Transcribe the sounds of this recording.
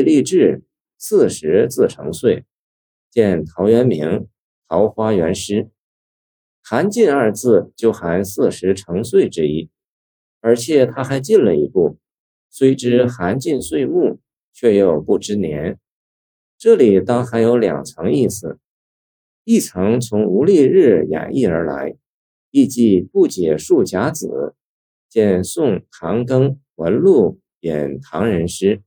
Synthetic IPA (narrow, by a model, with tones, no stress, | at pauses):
i˥˧li˥˧ʈ͡ʂɻ̩˥˧ | sɹ̩˥˩ʂɻ̩˧˥t͡sɹ̩˥˩ʈ͡ʂʰɤ̰˧˥ŋswe˥˩ɪ | t͡ɕjɛ˥˩nt̪ʰɑ˧˥ʊɥɛ˧˥nmi˧˥ŋ | t̪ʰɑ˧˥ʊxwa˥ɥɛ˧˥nʂɻ̩˥ | xa˧˥nt͡ɕi˥˧nə˞˥˧t͡sʰɹ̩˥˧t͡ɕjo˥˩ʊxa˧˥nsɹ̩˥˩ʂɻ̩˧˥ʈ͡ʂʰɤ˧˥ŋswe˥˩ɪʈ͡ʂɻ̩˥i˥ | ə˞˧˥t͡ɕʰjɛ˨˩t̪ʰa˥xa˧˥ɪt͡ɕi˥˩nlə˩ḭ˧˥pu˥˩ | swe˥ɪʈ͡ʂɻ̩˥xa˧˥nt͡ɕi˥˧nswe˥˧ɪmu˥˩ | t͡ɕʰɥɛ˥˩jo˨˩ʊpu˥˩ʈ͡ʂɻ̩˥njɛ˧˥n | ʈ͡ʂɤ˥˩li˨˩t̪ɑ˥ŋxa˧˥ɪjo˧˥ʊljɑ̰˨˩ŋt͡sʰɑ˧˥ŋi˥˩sɹ̩˩ | i˥˩t͡sʰɑ˧˥ŋt͡sʰʊ˧˥ŋu˧˥li˥˧ɻɻ̩˥˩ja̰˨˩nʔi˥˩ə̰˞˧˥la̰˧˥ɪ | i˥˧t͡ɕi˥˧pu˥˩t͡ɕjɛ˨˩ʂu˥˩t͡ɕja˧˥t͡sɹ̩˨˩˦ | t͡ɕjɛ˥˧nsʊ˥˩ŋt̪ʰɑ˧˥ŋkɤ˥ŋwə˧˥nlu˥˩ | jɛ̰˨˩nt̪ʰɑ˧˥ŋɻə˧˥nʂɻ̩˥